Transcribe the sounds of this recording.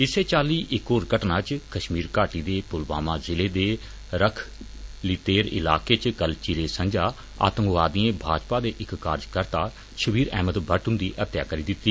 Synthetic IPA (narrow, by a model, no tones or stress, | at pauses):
ɪseːt͡ʃaːliːʔɪkoːɾkəʈnaːt͡ʃkəʃmiːɾkaːʈiːd̪eːpʊlʋa̰ːmãːzɪleːd̪eː | ɾəkʰ | lɪt̪eːɾɪ̰la̰ːkeːt͡ʃkəlt͡ʃiːɾeːsə̃ɲd͡ʒaː | a̰ːt̪ə̃ŋɡʋaːd̪iẽːbʱaːd͡ʒpaːd̪eːʔɪkːaːɾd͡ʒkəɾt̪aː | ʃəbiːɾɛ̰ːmət̪bʱəʈɦʊ̃nd̪iːʔət̪ja̰ːkəɾiːd̪ɪt̪ːiː